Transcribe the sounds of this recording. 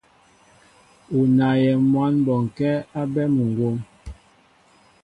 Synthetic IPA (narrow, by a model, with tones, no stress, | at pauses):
u˨na˨jɛ˨mwa˦nbɔ˨ŋ̩˨kɛ˦a˦bɛ˦mu˨ŋ˨ɡwo˦m